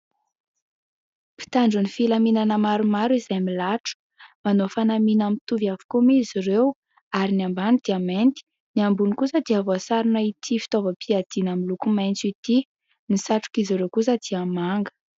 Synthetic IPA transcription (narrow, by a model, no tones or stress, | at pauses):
pi̥t̪aɳɖ͡ʐunifilaminanəmaɾumaɾuizajmilaʈ͡ʂu̥ | manofanaminamit̪uvavu̥kumeiziɾew | aɾinambanid̪̥iament̪i̥ | niambunikusəd̪iavoasaɾunəit̪ʰifi̥t̪ovəpʰiad̪̥inəmilukumajnt͡sit̪i | nisaʈ͡ʂu̥kiziɾewkus̬əd̪̥iamaŋɡə̥